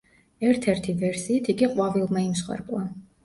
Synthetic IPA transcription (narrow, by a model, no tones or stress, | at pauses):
ɛɾt̪ʰɛɾt̪ʰivɛɾsiːt̪ʰiɡiqʼwavilˠmaimsχwɛ̰ɾbʼlˠa